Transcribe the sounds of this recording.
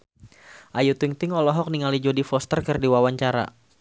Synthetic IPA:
ʔajut̪iŋt̪ɪŋɔlɔɦɔk̚niŋalid͡ʒodifɔst̪ərkɨrdiwawaɲt͡ʃaɾa̰

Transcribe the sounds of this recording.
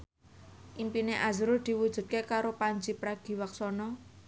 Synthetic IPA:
ʔimpineʔazɾud̪̥i̤wud̥ʒ̥ṳt̪̚kekaɾopaɲd͡ʒipɾaɡ̥i̤waksɔnɔ

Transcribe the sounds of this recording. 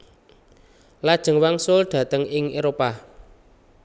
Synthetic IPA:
lad̥ʒ̥ə̤ŋwaŋsʊlɖ̥ä̤t̪əŋɪŋeɾopa

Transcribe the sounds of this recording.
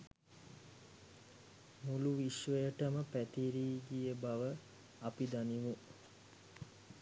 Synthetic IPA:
muluʋiʃʋəjəʈəməpæt̪iɾiːɡijəbaʋə | apid̪aniʋu

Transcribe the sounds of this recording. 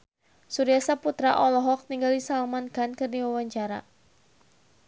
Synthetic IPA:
suɾiasaput̪ɾaʔɔlɔɦɔk̚niŋɡaldisalmankankɨrniwawaɲt͡ʃaɾa̰

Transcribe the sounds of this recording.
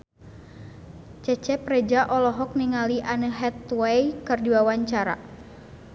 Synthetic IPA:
t͡ʃɛt͡ʃɛprɛd͡ʒaʔɔlɔɦɔk̚niŋaliʔanəɦɛt̪wɛjkɨrdiwawaɲt͡ʃaɾa̰

